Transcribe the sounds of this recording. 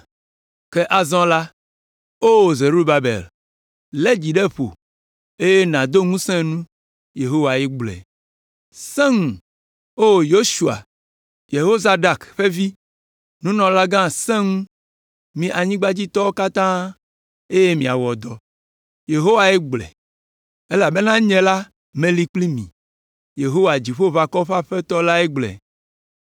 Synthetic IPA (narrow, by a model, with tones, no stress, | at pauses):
ke˦ʔa˨zɔ̃˦la˦ | o˦wo˨ze˨ɾu˦ba˦bḛ˨l | le˦d͡ʑi˨ɖe˦ɸo̰˨ | e˦je˦nã˨d̪o˦ŋũ˦sɛ̃˦nũ˦ | je˨ɦo˦wa˨ɛ˦ɡ͡blɛ̰˨ | sɛ̃˦ŋũ˨ | o˦o˨jo˦ʃu˨a̰˨ | je˨ɦo˦za˦ɖa˨kɸe˦vi˦ | nũ˦nɔ̃˨la˦ɡã˦sɛ̃˦ŋu˦ | mĩ˨ʔa˨ɲĩ˦ɡ͡ba˦d͡ʑi˦t̪ɔ˦o˦ka˦t̪ã˦ | e˦je˦mĩ˨a̰˨wɔ˨d̪ɔ˨ | je˨ɦo˦wa˨e˦ɡ͡blɛ̰˨ | e˦la˨be˦nã˦ɲɛ̃˨la˦ | mẽ˨li˨k͡pli˦mḭ̃˨ | je˨ɦo˦wa˨d͡ʑi˨ɸo˦va˨kɔ˦ɸa˦ɸɛ˦t̪ɔ˦la˦ɛ˦ɡ͡blɛ̰˨